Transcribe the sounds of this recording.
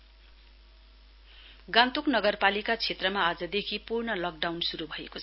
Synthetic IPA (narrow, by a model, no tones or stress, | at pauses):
ɡãnt̪uknʌɡʌrpalikat͡sʰet̪rʌmaːd͡zʌd̪ekʰipurɳʌlʌk̚ɖawnsuɾubʱʌekot͡sʰʌ